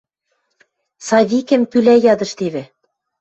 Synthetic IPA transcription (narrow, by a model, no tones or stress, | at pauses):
sɑβʲikɘ̆mpylæjɑd̪ɤ̆ʃt̪eβɘ̆